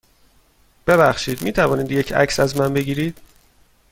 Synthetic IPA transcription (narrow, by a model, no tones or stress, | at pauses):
b̥e̞bæxʃiːd̪miːt̪ʰævɒːniːd̪jecʰæ̰csæzmænbe̞ɟiːɾiːd̪̥